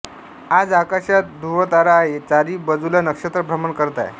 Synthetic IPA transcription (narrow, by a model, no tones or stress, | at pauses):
ad͡zakaɕjat̪̚d̪ʱuʋət̪aɾaːɦet͡saɾiːbəd͡zulanəkʂət̪ɾəbʱɾəmənkəɾt̪a̰j